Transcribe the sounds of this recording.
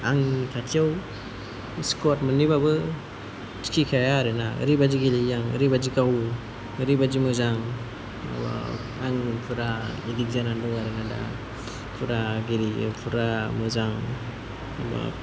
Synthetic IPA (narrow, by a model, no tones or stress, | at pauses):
aŋtʰatʰijaw | skʰɔtmɯnibabɯ | t͡ʃi̥kʰikʰajaɾɯnaɯ̰ɾibad͡ʒiɡelijaŋɯ̰ɾibad͡ʒikaw | ɯɾibad͡ʒimɯzaŋ̰ | b̰ | aŋpʰuɾailiɡzananduŋaɾɯnada̰ | pʰuɾaɡeɾḭpʰuɾamɯzaŋ | ba̰